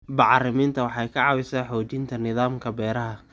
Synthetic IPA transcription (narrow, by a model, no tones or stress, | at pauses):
bɑʕrɪmiːnt̪ʰɐwɑħɑjkʰɐʕɑwɪsɐːħɔːt͡ʃɪnt̪ʰɐnɪðaːmkʰɐbɛːɾɐɦɐ